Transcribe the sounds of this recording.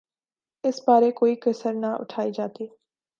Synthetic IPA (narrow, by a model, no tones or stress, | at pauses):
ɪsbaːɾekoːiːkəsəɾnaʔʊ̰ʈʰaːiːd͡ʒaːt̪iː